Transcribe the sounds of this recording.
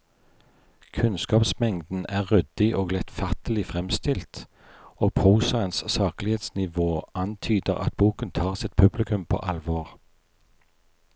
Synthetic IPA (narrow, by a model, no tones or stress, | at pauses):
kʰʉnskɑːpsmɛŋd̪n̩æːʁʁʏd̪ɪʔoːɡlɛt̪fɑt̪əlɪfʁɛmst̪ɪlt̪ | oːɡpʰʁuːsɑənssɑːklɪheːt̪snɪʋoːʔɑnt̪ʰyːd̪əʁɑ̰t̪̚buːkənt̪ʰɑːʁsɪt̪̚pʰʉblɪkʉmpʰo̰ːʔɑlʋoːʁ